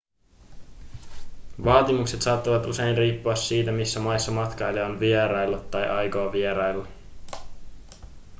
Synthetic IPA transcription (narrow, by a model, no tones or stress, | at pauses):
ʋɑːt̪imukse̞t̪sɑːt̪ːɑʋɑt̪use̞jnriːpːoɑsːiːt̪æmisːæmɑjsːɑmɑt̪kɑjlːeonʋieɾɑjlːot̪ːɑjʔɑjkoɑʋieɾɑjlːɑ